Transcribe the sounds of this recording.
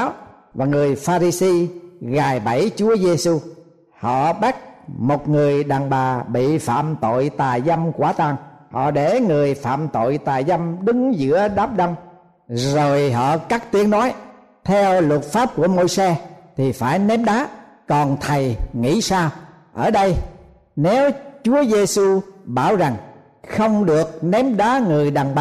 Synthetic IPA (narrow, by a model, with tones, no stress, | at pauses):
w | vaː˨˩ŋɨ˨˩əjfaː˧ɾi˧si˧ɣaː˨˩jɓə˧˩jt͡ɕu˨˦əze˧su˧ | hɔ̰˧˨ɓa˦˥k̚mo˨˩t̚ŋɨ˨˩əjɗaː˨˩ŋɓaː˨˩ɓḭ˧˨fa̰ː˧˨mt̪o̰˧˨jt̪aː˨˩jza˧mkwaː˧˩t̪aː˨˩ŋhɔ̰˧˨ɗe˧˩ŋɨ˨˩əjfa̰ː˧˨mt̪o̰˧˨jt̪aː˨˩jza˧mɗɨ˨˦ŋzɨ̰˧˥əɗaː˦˥p̚ɗə˧wŋ͡m | zo˨˩jɦɔ̰˧˨kaː˦˥k̚t̪i˨˦əŋnɔ˨˦j | t̪ʰɛ˧wlʊ˨˩t̚faː˦˥p̚ku˧˩əmo˧jsɛ˧t̪ʰi˨˩faː˧˩jnɛ˨˦mɗaː˨˦ | kɔ˨˩nt̪ʰə˨˩jŋḭ˧˥saː˧w | ʔəː˧˩ɗə˧j | ne˨˦wt͡ɕu˨˦əze˧su˧ɓaː˧˩wza˨˩ŋ | xə˧wŋ͡mɗɨ˨˩ək̚nɛ˨˦mɗaː˨˦ŋɨ˨˩əjɗaː˨˩ŋɓaː˨˩